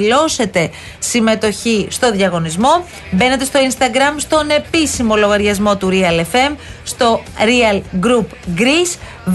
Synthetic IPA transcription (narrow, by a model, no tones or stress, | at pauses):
lo̞se̞t̪e̞ | sime̞t̪o̞çist̪o̞ðʝɐɣo̞nizmo̞ | be̞ne̞t̪e̞st̪o̞inst̪ɐɡɾɐmst̪o̞ne̞pisimo̞lo̞ɣɐɾʝɐzmo̞t̪uɾiɐlefe̞mst̪o̞ɾiɐlɡɾupɡɾis